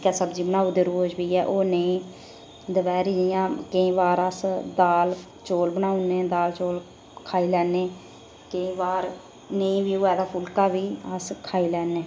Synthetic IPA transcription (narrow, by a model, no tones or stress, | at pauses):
kɛːsəbd͡ʒiːbənaːuːd̪eːɾoːd͡ʒbiːɛːʔoːneĩː | d̪əʋɛːɾid͡ʒijãːkəĩːʋaːɾəsd̪aːl | t͡ʃoːlbənaːuneːd̪aːlt͡ʃoːl | kʰaːiːlɛːneː | kəĩːʋaːɾ | neĩːʋiːoːɛːd̪aːpʰʊlkaːʋiːəskʰaːiːlɛːneː